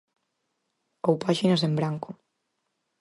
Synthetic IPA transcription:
owpaʃinɐsembɾaŋkʊ

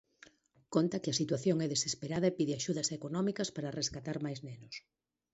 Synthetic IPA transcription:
kont̪ɐkɪɐsit̪waθjoŋɛðesespeɾaðɐepiðɪaʃuðɐsekonɔmikɐspaɾareskat̪aɾmajznenʊs

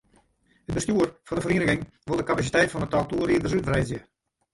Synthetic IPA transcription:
əd̚bəstjuərfɔndəfərindəɣɪŋ | ʋɪlˠdəkapas̬itɛjtfɔnətɔlˠtuəɾiədərsytfrɛjzjə

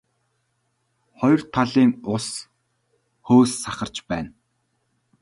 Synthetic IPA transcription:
χɔjɞ̆r̥t̪ʰaɮiːŋʊs | xoːsːaχə̆r̥t͡ɕpæːn

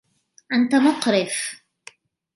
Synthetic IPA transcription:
ʔant̪amʊqɾɪf

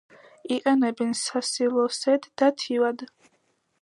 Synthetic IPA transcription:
iqʼɛnɛbɛnsasilˠɔsɛd̪ːat̪ʰiwad̪

